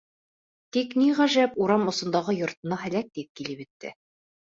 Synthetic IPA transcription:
t̪ikniʁæʒæpuɾɑmŏsɤ̆nd̪ɑʁɤjŏɾt̪ɤ̆nɑɦælæk̚d̪ip̚kilɘpɘ̆t̪ːɘ̰

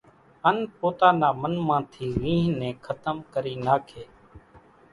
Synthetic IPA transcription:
ənpoːt̪aːnaːmənmãːt̪ʰiːʋĩːɦnẽːkʰət̪əmkəɾiːnaːkʰeː

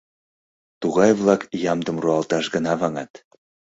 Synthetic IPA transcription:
t̪uɣɑjβlˠɑkjɑmd̪ə̆mruɑlˠt̪ɑʃɡənɑβɑŋɑt̪

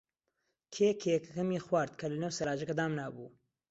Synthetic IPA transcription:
kʰeːkʰekɐkɐmixwaːɾd̪kʰɐlɐneːwsɐɾaːd͡ʒɐkɐd̪aːmnaːbṵː

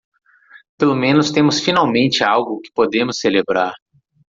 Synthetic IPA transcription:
pelomẽnʊst̪ẽmʊsfinawmẽnt͡ʃɪawɡʊkɪ̥pod̪ẽmʊselebɾaɾ

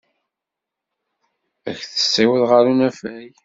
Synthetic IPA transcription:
æçθə̥sːiwəðʁəɾunæfæj

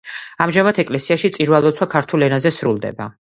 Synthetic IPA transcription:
amʒamat̪ʰɛkʼlɛsiaʃit̪sʼiɾwalˠɔt̪sʰwakʰaɾt̪ʰulɛnazɛsɾulˠd̪ɛ̰ba

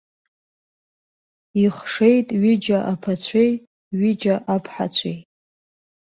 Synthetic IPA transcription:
iχʂe̞jtʼɥɪd͡ʒaʔapʰat͡ɕʷʰej | ɥɪd͡ʒaʔapʰħa̰t͡sʷʰḛjʼ

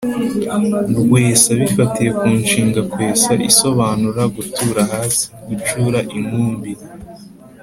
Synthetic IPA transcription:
ɾɡweːsaβifatije̞kuːnʃiːŋɡakwe̞ːsaʔiso̞βaːnuɾaɡutʰuːɾahaːsi̥ɡut͡ʃuːɾaʔimuːmbiɾa

